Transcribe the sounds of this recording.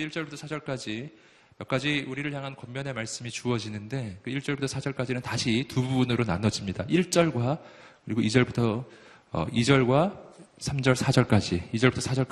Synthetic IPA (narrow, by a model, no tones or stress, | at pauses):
eiɭt͡ɕ͈ʌɭbutʰʌsʰad͡ʑʌɭk͈ad͡ʑi | jʌk͈ad͡ʑiuɾiɾɯɭçjaŋɦankʌmmjʌne̞maɭs͈ɯmit͡ɕuʌd͡ʑinɯnde̞kɯiɭt͡ɕ͈ʌɭbutʰʌsʰad͡ʑʌɭk͈ad͡ʑinɯntaɕʰitububunɯɾonanʌd͡ʑimɲidaʔiɭt͡ɕ͈ʌɭɡwa | kɯɾiɡoid͡ʑʌɭbutʰʌ | ʌ̰id͡ʑʌɭɡwasʰamd͡ʑʌɭsʰad͡ʑʌɭk͈ad͡ʑiːd͡ʑʌɭbutʰʌsʰad͡ʑʌk